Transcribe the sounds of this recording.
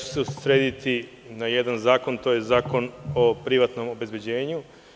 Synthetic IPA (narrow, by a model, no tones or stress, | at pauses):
u̥seuɾed̪it̪i | naje̞d̪anzaːko̞nt̪o̞jezaːko̞no̞pɾiʋat̪no̞mo̞be̞zbed͡ʑe̞ːɲu